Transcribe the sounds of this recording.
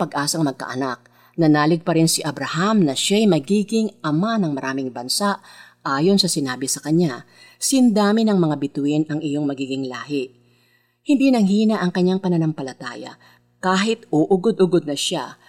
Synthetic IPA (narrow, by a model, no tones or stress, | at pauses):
pɐɡʔaːsɐŋmɐɡ̚kɐ̰ʔɐnak̚ | nɐnaːlɪɡ̚pɐɾɪnsɪʔɐbɾɐhamnɐʃajmɐɡiːɡɪŋʔɐmanɐŋmɐɾʔaːmɪŋbɐnsaʔʔaːjo̞nsɐsɪnaːbɪsɐkɐɲa | sɪnd̪aːmɪnɐŋmɐŋabɪt̪ʊʔɪnʔɐŋɪjo̞ŋmɐɡiːɡɪŋlaːɦɪʔ | hɪnd̪inɐŋɦiːnɐʔɐŋkɐɲːaŋpɐnɐnɐmpɐlɐt̪aːjɐ̰ | kaːɦɪt̪oʔʊɡod̪ʊɡod̪̚nɐʃa